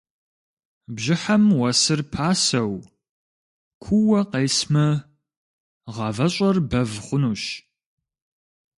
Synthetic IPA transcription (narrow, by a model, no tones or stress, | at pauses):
bʑɪħɐmwɐsɨrpʰaːsɐw | kʷʰuwɐqeːsmɐ | ʁɑvɐɕʼɐrbɐvχʷʊnuːɕ